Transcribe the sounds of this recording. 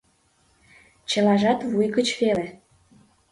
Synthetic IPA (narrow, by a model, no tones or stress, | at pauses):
t͡ɕə̆lɑʒɑt̪vujɡət͡ɕvele